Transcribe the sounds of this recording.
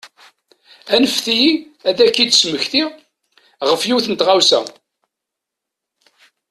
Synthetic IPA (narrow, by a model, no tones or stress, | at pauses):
ænəfθijiæðækːid̪sməçθi | ʁəfjiwθənt̪ʁawsæ̰